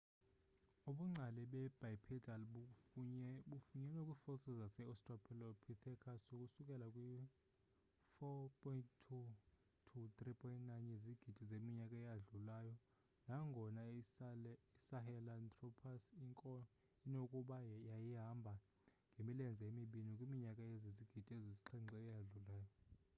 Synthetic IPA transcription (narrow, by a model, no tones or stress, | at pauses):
oɓuŋ͡ǀʱalɛɓɛb̥ʱajpʰidalɓ | ufuɲɛnokʼifɔsizasɛɔstʼrɔpʰɛlɔpʰitʰɛkʰasokʼusukʼɛlakʼwi | fɔpʰʼɔinttʰu | tʰut̪ʼripʰʼɔjintʼnajnjeziɡ̥ʱid̥ʱizemiɲakʼaɛjaɮulajɔ | naŋɡʱɔna | isaɦɛlantʼrɔpʰasiŋkʼɔ | inokʼuɓajajiɦambʱa | ŋɡʱemilɛnd͡zʱaemiɓinikʼwimiɲakʼajeziziɡ̥ʱid̥ʼʱieziziǁʰiŋ͡ǀɛɛjaɮulaːjɔ